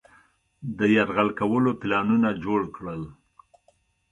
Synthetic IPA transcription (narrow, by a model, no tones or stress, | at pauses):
d̪əjaɾɣalkawəloplɑnunad͡ʒoɽkɽəl